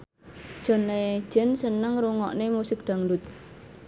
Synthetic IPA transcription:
d͡ʒ̥ɔ̤ne̥d͡ʒ̥ɛnsənəŋɾuŋɔ̰ʔnemusɪk̚ɖ̪̥a̤ŋdʊt̪̚

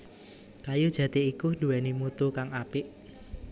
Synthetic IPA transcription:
kajud̥ʒ̥ä̤t̪eikud̪̥ṳɛnimut̪ukaŋapɪʔ

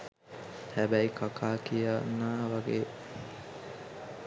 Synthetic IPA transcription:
hæbæikakʰaːkija̰nːaːʋaɡeː

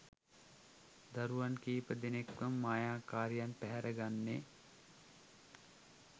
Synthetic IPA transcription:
d̪ɐɾuʋankiːpəd̪enekʋəmːaːjaːkaːɾjanpɛɦɛɾʔəɡanːe

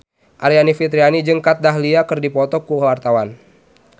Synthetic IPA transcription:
ʔaɾianifit̪ɾianid͡ʒəŋkat̪̚daɦliakərdipɔt̪ɔkuwart̪awan

